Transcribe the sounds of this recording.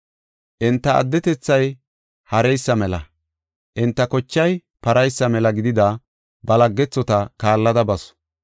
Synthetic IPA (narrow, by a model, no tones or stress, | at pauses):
ʔɪnt̪ːɐɐ̰d̪ːɛt̪ɛt͡sːɐj | hɐɾɛjsːɐmɛlɐ̰ | ʔɪnt̪ːɐkɔt͡ʃːɐj | pɐɾɐjsːɐmɛlɐɡɪd̪ɪd̪ɐ | bɐlɐɡːɛt͡sːɔt̪ɐkaːlːɐd̪ɐbɐsɔ̥